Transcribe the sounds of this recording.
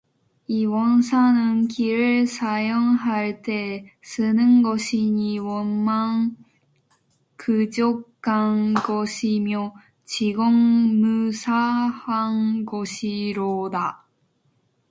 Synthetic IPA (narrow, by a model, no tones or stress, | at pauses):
iβõnsanɯŋkʲʰiɾɯsajõŋɦaɾɯt̪e | sɨnɯŋɡoɕiɲiwomːãŋ | kʰɯd͡ʑokːãŋɡoɕimʲjo | t͡ɕiɡoŋmɯ̟sahaŋɡoɕiɾod̪a